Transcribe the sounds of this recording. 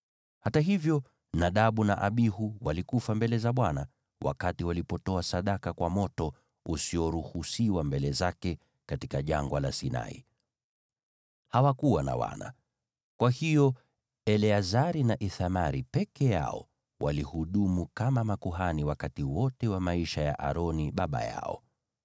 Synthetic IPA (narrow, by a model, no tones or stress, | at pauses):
hataɦivjɔ | naɗaɓuna̰ʔaɓihuwalikufambɛlɛzaɓwana | wʔa̰katiwalipɔtɔasaɗakakwamɔtɔ | usiɔɾuhusiwambɛlɛzakɛ | katikaʄaŋɡwala̰sina̰ḭ | hawakuwana̰wa̰na̰ | kwahijɔ | ɛlɛazaɾinaʔiθamaɾipɛkɛja̰ɔ̰ | walihuɗumukamamakuɦaniwakatiwɔtɛwamaiʃaja̰ʔa̰ɾɔniɓaɓa̰ja̰ɔ̰